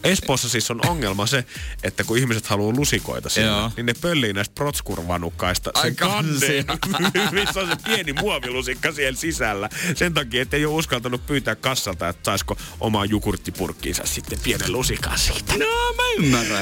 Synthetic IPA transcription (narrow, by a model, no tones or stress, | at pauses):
espoːsːɑsisːonoŋːelmɑseʔet̪ːækuihmiset̪hɑluːlusiko̰it̪ɑsininepølːiːnæˑist̪̚prot̪skurʋɑ̰nukːɑist̪ɑsekɑnːe | ʋisːonsepienimuɑʋilusikːɑsihelsisælːæsent̪ɑkiːet̪ːeijouskɑlt̪ɑnuppyːt̪æːkkɑsːɑlt̪ɑet̪ːsɑisko | ʔo̰mɑjukurt̪ːipurkːḭːnsɑ̰ssit̪ːeppienḛllusikɑ̰nsi̥̰ːt̪ːæomænːɑ